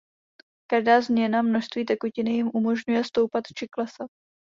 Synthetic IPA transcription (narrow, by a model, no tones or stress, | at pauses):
kaʒdaːzmɲɛnamno̞ʃst̪viːt̪̬ɛkucɪnɪjɪmʔumo̞ʒɲujɛst̪o̞wpat̪t͡ʃɪklɛsat̪̚